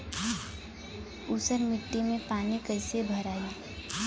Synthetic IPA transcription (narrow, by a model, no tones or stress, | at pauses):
uːsəɾmɪʈːimẽpaːnikəɪsebʱəɾaːi